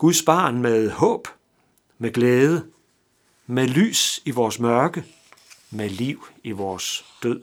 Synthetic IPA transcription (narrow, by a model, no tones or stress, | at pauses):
ɡ̥uðˠsb̥ɑ̈ːnmeðˠhɔ̰̽ːb̥ | meɡ̥leːðˠə | mely̰ːsiʋɒːsmɶɐɡ̥ə | meliʊ̰iʋɒːsd̥øð̰ˠ